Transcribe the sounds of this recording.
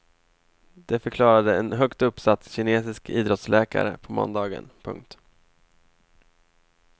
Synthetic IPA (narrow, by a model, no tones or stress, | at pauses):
d̪̥ɛfœɾkʰlɑːɾad̪əɛnɦœkt̪ɵpːsat̪ːɕɪneːsɪskiːd̪ɾɔt̪slɛːka̰ɾəpʰɔmɔ̰nd̪ɑːɡə̰npʰɵ̰ŋk̚t̪